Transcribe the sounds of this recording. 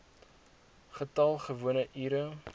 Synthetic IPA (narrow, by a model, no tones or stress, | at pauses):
χətɐlˠχəvuənəʔiːɾə